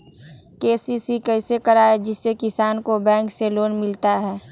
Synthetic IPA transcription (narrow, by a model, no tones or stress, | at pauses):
keːsisikəɪsekəɾaːed͡ʒɪsːekɪsaːnkobɛ̃ːŋkseloːnmɪlt̪aɦɛː